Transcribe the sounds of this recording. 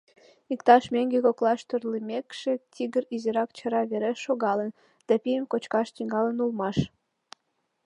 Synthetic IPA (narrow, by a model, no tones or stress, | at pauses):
ikt̪ɑʃmeŋɡekoklɑʃt̪ørlimʲekʃet̪ʲiɣəɾizeɾɑkt͡ɕəɾɑβeɾeʃːoɣɑlən | d̪̥ɑpijəmkot͡ɕkɑʃt̪iŋɡɑlənulmɑʃ